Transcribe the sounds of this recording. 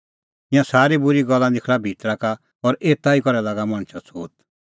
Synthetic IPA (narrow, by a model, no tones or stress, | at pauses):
ɪjãsaːɾibʊɾiɡɔlːãd̪ɪkʰɭabʱit̪ɾaka | ɔɾeːt̪ːaikɔɾɛlaɡamãñt͡ʃʰat͡sʰoːt̪̚